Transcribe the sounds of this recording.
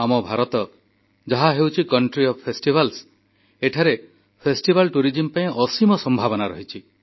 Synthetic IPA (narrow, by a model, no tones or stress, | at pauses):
amɔbʱaɾɔt̪ɔ | d͡ʒaɦaɦewt͡ʃʰikɔɳʈɾiɔbpʰːesʈibʱals | eʈʰaɾe | pʰesʈibʱalʈuɾid͡ʒimpaĩɔsimɔsɔmbʱabɔnaɾɔ̰ɦit͡ʃʰi